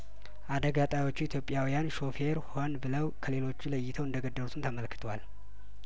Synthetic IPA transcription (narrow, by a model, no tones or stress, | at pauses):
ʔad̪əɡat̪ʼajo̞t͡ʃːuit̪ʰjo̞pʼjawijanʃo̞fe̞ɾho̞nbɨləwkʰəle̞lo̞t͡ʃːuləjːɪt̪ʰəwɨnd̪əɡəd̪ːəlut̪ʰunt̪ʰəməlkɨ̥t̪ʰəwal